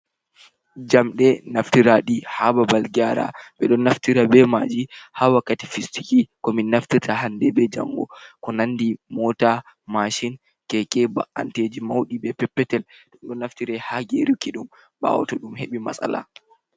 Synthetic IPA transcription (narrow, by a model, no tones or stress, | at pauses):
d͡ʒamɗɛnaftiɾaɗihababalɡaɾa̰ɓɛɗɔnːaftiɾabɛmaːd͡ʒihawakːati̥fistikikɔminːaftitahandɛbɛd͡ʒa̰ŋɡɔ̰kɔnandimɔta | maʃin | kɛkʼɛba̰ʔa̰nted͡ʒimawɗibɛpɛpːɛtɛlɗumɗɔnːaftiɾɛhaɡeɾikiɗum | ba̰wɔ̰tɔɗumheɓima̰sa̰la̰